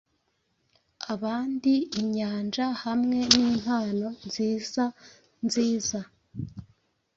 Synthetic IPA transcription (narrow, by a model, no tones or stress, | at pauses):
aβaːndiːɲaːnd͡ʒahamŋe̞niːm̥haːno̞nziːza | nziːza